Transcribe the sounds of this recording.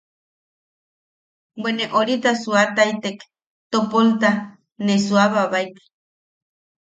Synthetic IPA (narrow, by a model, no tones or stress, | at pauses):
bweneʔoɾit̪asuat̪ait̪ek | t̪opolt̪a | nesuaβaβajk̪i̥